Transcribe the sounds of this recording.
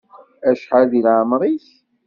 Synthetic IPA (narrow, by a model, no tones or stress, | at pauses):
æʃħaðilaʕmɾˤis